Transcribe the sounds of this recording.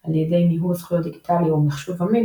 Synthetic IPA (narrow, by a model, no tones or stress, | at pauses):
aljedejmiɦusχujot̪̚d̪iɡit̪ʰaliomeχʃuvami